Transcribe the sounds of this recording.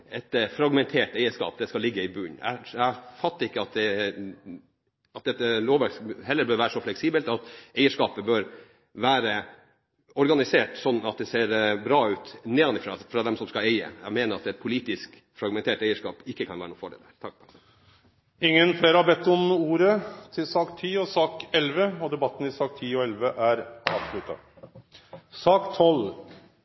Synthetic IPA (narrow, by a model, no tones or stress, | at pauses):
ɛt̪fɾɑɡmɛnt̪ʰeːʈæɪəʂkɑ̰ːp̚d̪ɛskɑlɪɡːəɪbʉːnæ̰æfɑt̪ːəɾɪkːəɑt̪̚d̪ɛ | ɑt̪̚d̪ɛt̪ːəloːʋɑshɛlːəbœɾʋæːɾəsɔflɛksiːbəlt̪ɑt̪ɛɪəʂkɑːpəbœɾ | ʋæːɾə | ɔɾɡɑnɪseːʈsɔnːɑt̪̚d̪ɛseːɾbɾɑːʉːt̪neːɑnɪfɾɑ̰fɾɑd̪ɛmsɔmskɑæɪə̰ɛmeːnəɾɑt̪ɛt̪̚pʰʊliːt̪ɪsk | fɾɑɡmɛnt̪ʰeːʈæɪəʂkɑ̰ːpɪkːəkʰɑnʋæːɾnuːfɔɖḛlæɾt̪ʰɑk̚ | ɪŋːənfleːɾəhɑbɛt̪ːɔmuːɾət̪ʰɪlsɑːkt̪ʰiːɔsɑːkɛlʋəɔd̪ɛbɑt̪ːn̩ɪsɑːk̚t̪ʰiːɔɛlʋəʔæɾɑːbslʉt̪ːɑ̰ | sɑːkt̪ʰɔl